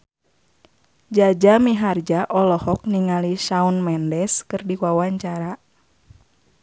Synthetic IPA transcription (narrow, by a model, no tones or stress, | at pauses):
d͡ʒad͡ʒamiɦard͡ʒaʔɔlɔhɔk̚niŋaliʃaunmɛndɛskɨrdikuawaɲt͡ʃaɾa